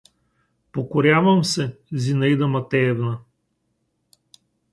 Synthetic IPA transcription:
pokoɾʲjavɐmsɛzinɐid̪ɐmɐt̪ɛɛvnɐ

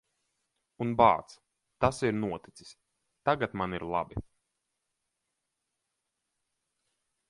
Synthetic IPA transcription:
unba̰ːt̪s | t̪asiɾnuɔt̪i̥t̪si̥sʲ | t̪aɡat̪maniɾlˠa̰bi

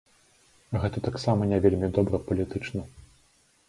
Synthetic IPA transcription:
ɣɛt̪ɐt̪aksamɐnʲɛvʲelʲmʲid̪ɔbɾɐpɐlʲit̪ɨt͡ʂnɐ

